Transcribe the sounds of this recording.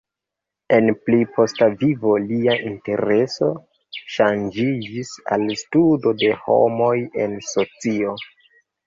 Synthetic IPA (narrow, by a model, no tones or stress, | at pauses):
e̞nplipʰo̞stavivo̞liaʔinte̞ɾe̞so̞ | ʃand͡ʒid͡ʒisa̰lstudo̞de̞ho̞̰mo̞je̞nso̞t͡sio̞